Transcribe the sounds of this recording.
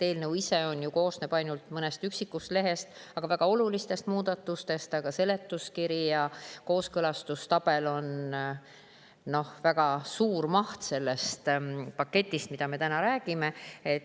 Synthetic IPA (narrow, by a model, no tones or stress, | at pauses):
t̪e̞ːlnɤwise̞o̞njuko̞ːsneb̥ɑjnult̪mɤnest̪yksikːust̪le̞ɦe̞st̪ɑɡ̥ɑvæɡ̥ɑo̞lulist̪e̞st̪muːd̪̥ɑt̪ːˑust̪e̞st̪ɑɡ̥ɑse̞le̞t̪ːˑuskiɾijɑko̞ːskɤlɑst̪ust̪ɑb̥e̞lo̞n | no̞hvæɡ̥ɑsuːrmɑht̪se̞lːe̞st̪pɑkːe̞t̪ʲˑːist̪mid̪ɑme̞t̪ænɑɾæːɡ̥ime̞et̪